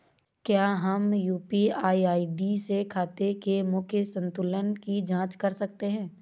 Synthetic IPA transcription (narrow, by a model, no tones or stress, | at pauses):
kjaːɦɐmjuːpiaːiaːiɖisekʰaːt̪ekemʊkʰjəsə̃nt̪ʊlənkid͡ʒãːt͡ʃkɐɾsɐk̚t̪eɦɛ̃ː